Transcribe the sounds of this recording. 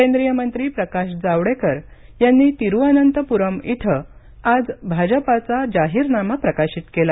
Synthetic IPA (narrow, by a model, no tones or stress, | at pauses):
kend̪ɾijəmənt̪ɾiːpɾəkaɕd͡zaʋɽekəɾ | janːiːt̪iɾuanənt̪əpuɾəmit̪ʰə | ad͡zbʱad͡ʑəpat͡sad͡ʑaɦiːɾnamapɾəkaɕit̪kela